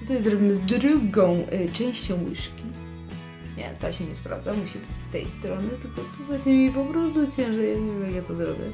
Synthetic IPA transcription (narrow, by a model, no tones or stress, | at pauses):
t̪ɛjɛzzɾɔbʲimɨzd̪ɾɨɡɔ̃w̃t͡ʂɛ̃w̃ɕt͡ɕɔ̃w̃wɘʂkʲi | ɲɛ̰t̪aɕɛɲɛspɾa̰vd̪zamuɕibɘt͡ɕst̪ɛ̰jst̪ɾɔnɨt̪ɘlkɔt̪ɔpvɛt̪ʲɛmʲipɔpɾɔst̪ut͡ɕʲɛ̃ʐɛɛʐkjat̪ɔzɾɔ̰bʲjɛ̰